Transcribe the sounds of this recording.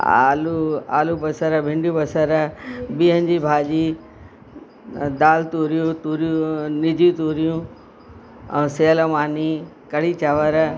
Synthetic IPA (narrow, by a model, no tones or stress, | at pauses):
a̰ːlua̰ːlubɐsəɾəbʱɪ̃ɳɖjũbɐsəɾbiːɦə̃nd͡ʑiːbʱaːd͡ʑi | d̪aːlt̪uːɾijũt̪uːɾjũnɪd͡ʑʱjut̪uːɾijũ | seːləmaːnikɐɽit͡ɕaʋəɾ